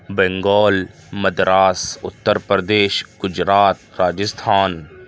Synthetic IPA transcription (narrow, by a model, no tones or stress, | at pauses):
bɛ̃ŋɡɔːl | mɐd̪ɾaːsʊt̪ːəɾpɾəd̪eːʃɡ̥ʊd͡ʒɾaːt̪ɾaːd͡ʒɪst̪ʰaːn